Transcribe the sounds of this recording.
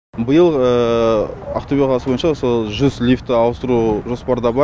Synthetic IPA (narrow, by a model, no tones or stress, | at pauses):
bəjəlˠə | ɑqt̪obʲeʁɑɑsəbojənʃɑwosəʒʏzlʲift̪ːɪɑwəst̪əɾuʒo̞spɑɾd̪ɑbɑ